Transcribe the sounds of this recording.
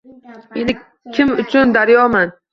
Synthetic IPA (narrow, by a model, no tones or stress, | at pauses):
enɪ | kʲʰɪmʊt͡ʃʰʊnd̪aɾjɒman